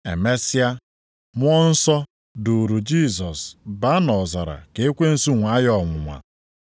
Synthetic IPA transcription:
ḛ˨me˦si˦a˦ | mʷ˦ɔ˦n̩˦sɔ˦ | du˨ɾu˨d͡ʒi˦˨sɔ˨sba˦nɔ˨za˨ɾa̰˨ke˨e˦kʷe˦n̩˨su˦ŋʷa˨˦jɔ˦˨ŋʷʊ˨ŋʷa̰˨

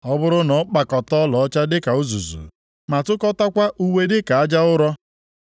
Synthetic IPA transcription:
ɔ˦bʊ˦ɾʊ˦nɔ˨˦k͡pa˨kɔ˨tɔ˦lɔ˨ɔ˦t͡ʃa˦dɪ˦ka˨ʊ˦zṵ˨zṵ˨ | ma˨tʊ˦kɔ˦ta˦kʷa˦ʔu˦we˦dɪ˦ka˨a˦d͡ʒa˦ʊ˦ɾɔ˦

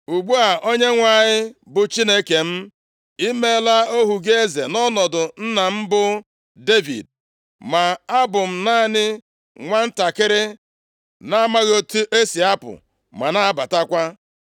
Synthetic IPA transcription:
u˨ɡ͡bu˦a˨ʔo˦ɲe˦ŋʷa˨ɲɪ˦bʊ˨t͡ʃi˦ne˦ke˨m̩˦ | i˦me˦la˦o˦ɦu˨ɡe˦ze˨nɔ˦nɔ˨dʊ˨n̩˦na˨m̩˦bʊ˦ | de˦vḭ˨d̚ | ma˨a˦bʊ˨m̩˦na˦nɪ˦ | ŋʷa˦n̩˦ta˨kɪ˦ɾɪ˦ | na˦a˦ma˦ɣo˦tʔe˦si˨a˦pʊ̰˨ | ma˨na˦ba˨ta˦kʷa˦

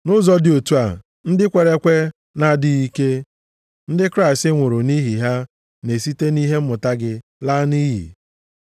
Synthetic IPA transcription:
nʊ˦zɔ˦dɪ˨o˨tu˦a˨ | n̩˦dɪ˦kʷe˨ɾe˦kʷe˦ | na˦dɪ˦i˦ke˦ | n̩˦dɪ˦kɾa˦ɪ˨stɪ˦ŋʷʊ˨ɾʊ˨ni˦ɦi˨ɦa˦ | ne˨si˦te˦ni˦ɦe˦m̩˦ʊ˨ta˦ɡɪ˦la˦ni˦jḭ˨

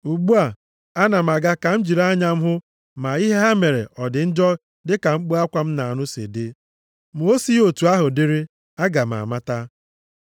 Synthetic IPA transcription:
u˨ɡ͡bu˦a˨ | a˦na˨m̩˨a˨ɡa˦ka˨m̩˦d͡ʒi˨ɾa˦ɲa˦m̩˦ɦʊ˦ | ma˨i˦ɦe˦ɦa˦me˨ɾḛ˨ʔɔ˨dɪ˨n̩˦d͡ʒɔ˦ | dɪ˦ka˨ŋ͡m̩˦k͡pu˦a˦kʷa˦m̩˦na˨a˨nʊ˦sḛ˨dɪ˦ | m˨o˦si˦o˨tu˨a˦ɦʊ˨dɪ˦ɾɪ˦ | a˦ɡa˨m˨a̰˨ma˦ta˦

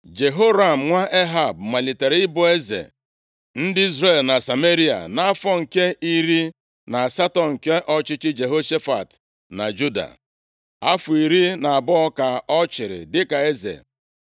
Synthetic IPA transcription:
d͡ʒe˨ɦo˦ɾa˦˨m̩˨ŋʷa˦ʔe˦ɦa˨b̚ma˨li˨te˨ɾɪ˦bʊ˦e˦zḛ˨ | n̩˦dɪ˦i˦zɾe˨lna˨sa˨me˦ɾi˦a̰˨na˦a˦fɔ˦ŋ̩˨ke˦ʔi˦ɾi˦ | na˨a˨sa˦tɔ˨ŋ̩˨ke˦ʔɔ˦t͡ʃɪ˦t͡ʃɪ˦d͡ʒe˨ɦo˦ʃe˦fa˨t | na̰˨d͡ʒu˦da̰˨ | a˦fʊ˨i˨ɾi˦na˨a˨bɔ˦ɔ˦ka˨ɔ˦t͡ʃɪ˨ɾɪ̰˨dɪ˦ka˨e˦zḛ˨

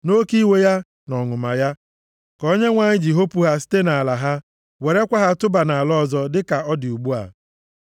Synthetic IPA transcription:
no˦ki˦we˦ja˦ | nɔ˨ŋʊ˨ma˨ja˦ | kɔ˦ɲe˦ŋʷa˨ɲɪ˦d͡ʒi˨ɦo˦pu˦ɦa˦s̬i̥˦te˦na˨a˨la˨ɦa˦ | we˨ɾe˦kʷa˦ɦa˦tʊ˦ba˨na˨a˨lɔ˦˨zɔ˦dɪ˦ka˨ɔ˦dɪ˨u˨ɡ͡bu˦a̰˨

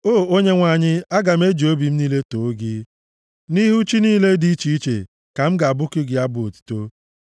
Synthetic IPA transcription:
oː˦˨o˦ɲe˦ŋʷa˨ɲɪ˦a˦ɡa˨m˦e˦d͡ʒo˦bi˨m̩˦niː˦le˦to˨˦ɡɪ˦ | ni˦ɦu˦t͡ʃi˦niː˦le˦di˦i˦t͡ʃi˦i˦t͡ʃḛ˨ | ka˨m̩˦ɡa˨a˨bʊ˦kɪ˦ɡɪ˨a˦bʊ˨o˨tu̥˨to˦

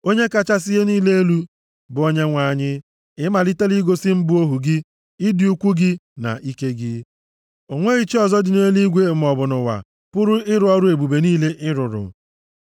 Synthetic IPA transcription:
o˦ɲe˦ka˦t͡ʃa˦s̬ɪ˦ɦe˦niː˦le˦e˦lu˦ | bʊ˨o˦ɲe˦ŋʷa˨ɲɪ˦ | ɪ˦ma˨li˦te˦li˦ɡo˦sɪ˦m̩˦bʊ˦o˦ɦu˨ɡɪ˦ | ɪ˦di˨u˦kʷu˦ɡɪ˦na̰˨ʔi˦ke˦ɡɪ˦ | o˨ŋʷe˦i˦t͡ʃi˦ɔ˨zɔ˦dɪ˨ne˦li˦ɡʷe˨m̩˨ɔ˨bʊ˨nʊ˨wa̰˨ | pʊ˦ɾʊ˦ɪ˦ɾʊ˦ɔ˦ɾʊ˦e˨bu˨be˨niː˦le˦ʔɪ˦ɾʊ˨ɾʊ̰˨

